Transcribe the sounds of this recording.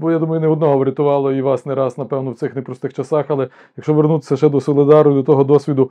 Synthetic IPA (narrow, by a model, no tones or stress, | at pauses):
bɔjad̪umɐjʊneɔd̪nɔɦɔʋɾʲɪt̪ʊʋɑlˠɔiʋɑsnɛɾɑsnɐpɛwnɔwt̪sɪxnɛpɾɔst̪ɪxt͡ʃɐsɑxɐlˠɛ | jɐkʃt͡ʃɔʋernut̪ɪ̥sʲɐʒɛd̪ɔsɔlˠɪd̪ɑrnʊd̪ɔt̪ɔɦɔd̪ɔsʲʋʲid̪ʊ